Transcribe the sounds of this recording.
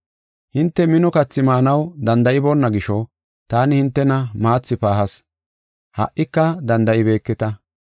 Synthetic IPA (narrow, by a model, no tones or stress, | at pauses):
hɪnt̪ːɛmɪnɔkɐt͡sːɪmaːnɐwd̪ɐnd̪ɐʔɪbɔnːɐɡɪʃɔ | t̪aːnɪhɪnt̪ːɛnɐmaːt͡sːɪpaːhɐs | hɐ̰ʔʔːɪkːɐd̪ɐnd̪ɐʔɪbe̞ːkːɛt̪ɐ